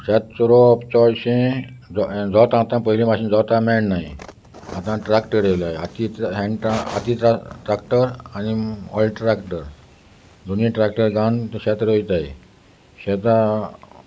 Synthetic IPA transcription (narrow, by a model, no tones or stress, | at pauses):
ɕat̪sɔɾoɔpt͡ɕɔɾɕẽd͡zɔd͡zɔt̪ãt̪ãpəɦilĩmaɕĩnd͡zɔt̪ãmɛnnai | at̪ãʈɾakʈəɾeʋlajeat̪it̪ɦɛ̃ɳɖʈaa̰t̪it̪ʈɾakʈəɾaniɔ̰lɖʈɾakʈəɾ | d̪unĩʈɾak̚ʈəɾɡãnɕɛt̪ɾəʋit̪ae | ɕɛt̪ã